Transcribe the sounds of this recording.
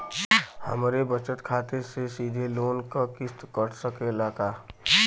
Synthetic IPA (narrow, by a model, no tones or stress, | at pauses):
hə̰mɾebət͡ʃət̪kʰaːt̪esesiːd̪ʱeloːnkakɪst̪kəʈsəkelaːka